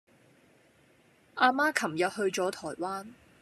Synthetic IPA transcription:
ʔaː˧maː˥kʰɐ˨˩mjɐ˨t̚hɵ˧ɥt͡sɔː˨˥t̪ʰɔː˨˩jwaː˥n

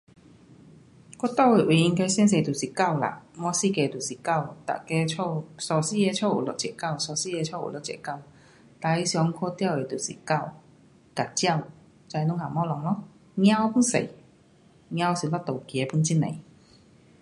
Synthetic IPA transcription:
kɔ˥t̪ɔ˥˧˨we˨˩wi˨˩i˧ŋka˧˦si˥ns̬e˧˩jt̪u˨˩si˨˩ka˥˧˨wla̰˨mɔ˧si˥˧˩kɛ˧t̪u˨˩si˨˩ka˥˧˨wt̪a̰˨kɛ˧˥t͡ɕʰɔ˥˧wsɔ˧si˥ɛ˧t͡ɕʰɔ˥˧˨ṵ˨˩lɔ˧t̚t͡ɕɛ̰˧˨˩ka˥˩˨wsɔ˧˩si˥˧ɛ˧t͡ɕʰɔ˥˩ʔṵ˨˩lɔ˧˨˦t͡ɕjɛ̰˨ka˥˧˨w | t̪aː˧˦i˧˦sjɔ˧˦ŋkʰɔ˧˥t̪ja˥˧˨we˨˩t̪u˨˩sḭ˨˩ka˥˨w | ka˨˩t͡ɕja˥˨w | t͡sa˧jnʊ˧˥ŋha˨˩mɔ˦˥lɔ˨˧˩ŋlɔ˦˥ | ŋj̃ã˧˦˨pu˧˥˦nsḛ˨˩ | ŋj̃ã˧˥˧si˨˩lɔ˦˥t̪o˨wkjɛ˨˦pu˧˥nt͡ɕi˧˥˩nḛ˨˩j

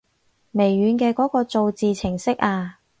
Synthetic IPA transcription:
me˨˩jɥyː˨˧nkɛː˧kɔː˨˥kɔː˧t͡so˨wt͡siː˨t͡sʰɪ˨˩ŋsɪ˥k̚ʔaː˧

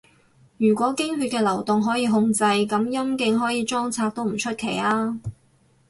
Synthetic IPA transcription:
jyː˨˩kʷɔː˨˥kɪ˥ŋɦyː˧t̚kɛː˧lɐ˨˩wt̪ʊ˨ŋɦɔː˨˥jiː˧ɦʊ˧ŋt͡sɐ˧jkɐ˨˥mjɐ˥mkɪ˧ŋɦɔː˨˥jiː˨˧t͡ʃɔː˥ŋt͡sʰaː˧k̚t̪o˥wm̩˨˩t͡ʃʰɵ˥t̚kʰe˨˩jaː˥

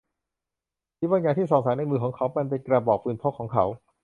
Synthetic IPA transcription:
tʰi˦˥waː˧nkaː˧nt̪ʰiː˥˩sɔː˨˩ŋ̚saː˩˦na˧mɯː˧˩kʰɔː˩˦ŋkʰa˦˥wpa˧np̬e˧nkɾaː˧bɔː˨˩k̚pɯ˧npʰo˦˥kʰːɔː˩˦ŋkʰa˦˥w

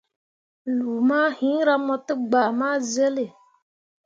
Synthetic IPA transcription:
lu˨ma˦hĩ˨˦ɾa˦mɔ˧t̪ɨ˦ɡ͡baː˨maː˦ze˦le˨

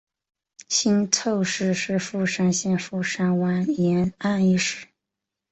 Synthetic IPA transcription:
ɕi˥nt͡sʰo˥˧ʊʂɻ̩˥˧ʂɻ̩˥˧fu˥˩ʂa˥nɕjɛ˥˧nfu˥˩ʂa˥nwa˧˥njɛ˧˥na˥˧ni˥˩ʂɻ̩˥˩

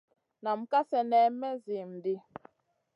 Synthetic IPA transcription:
na˨m̩˨ka˦sɛ˨nɛ˦mɛ˦zi˨m̩˨di˦

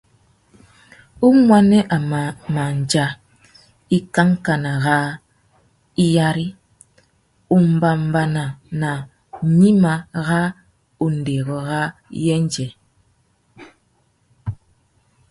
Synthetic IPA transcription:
u˦ŋwa˦nɛ˦ʔa˨ma˨ma˨n̩˨d͡ʒa˦ | i˦ka˦ŋ̩˦ka˨na˨ɣa˦ | i˦ja˦ɾi˦ | u˦m̩˦ba˨m̩˦ba˦na˨na˨ | ɲi˦ma˨ɣa˦ | u˨n̩˨de˨ɣɔ˨ɣa˦jɛ˦n˦d͡ʒɛ˨

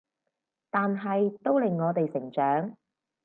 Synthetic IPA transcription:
t̪aː˨nɦɐ˨jt̪o˥wlɪ˨˩ŋːɔː˨˧t̪e˨jsɪ˨˩ŋt͡ʃœː˨˥ŋ

